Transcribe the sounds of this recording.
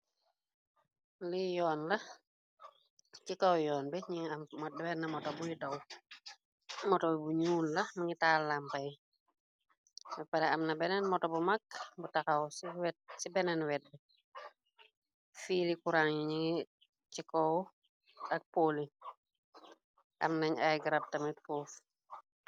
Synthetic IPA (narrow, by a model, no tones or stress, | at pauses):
lijɔːnlɐ | cikawjɔːnbɛɲiŋammɔɛwɛnɐmɔtɔbujidɐw | mɔtɔbɛbuɲuːllɐmiŋitaːlːampaj | bɛpaɾɛamnɐbɛnɛnmɔtɔbumakbutakawsiwɛt̚sibɛnɛnwɛt̚bɛ | fiːlikuɾaŋiɲiŋi | t͡ʃikɔw | ɐk̚poli | ʔɐ̰mnɐɲajɡɾap̚tɐmit̚puːf